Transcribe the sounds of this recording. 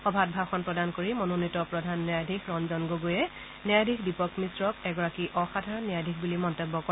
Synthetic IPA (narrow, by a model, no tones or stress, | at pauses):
xɔbʱat̚bʱaxɔnpɹɔdankoɹimɔnonitɔpɹɔdʱanːajdʱikɹɔnzɔnɡoɡujɛ | njajdʱikdipɔkmisɹɔkɛɡɔɹakiʔɔxadʱaɹɔnːijadʱikʰbulimɔntebːɔkɔ